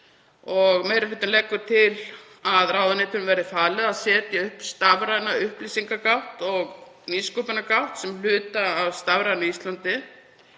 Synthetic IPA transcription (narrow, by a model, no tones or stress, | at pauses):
ɔɣmejɾʏfɪt̪ʏnlɛkːʏɾ̥t̪ʰɪl | aðraːwðanɪːt̪ʏnvɛɾðɪfaːlɛaðsɛːt̪ɪʏhpst̪avɾajnaʏhplisiŋkakawht̪ɔɣ | niskuːpɪnakawht̪sɛml̥ʏːt̪aːwst̪avɾajðnʏist̪lant̪ɪ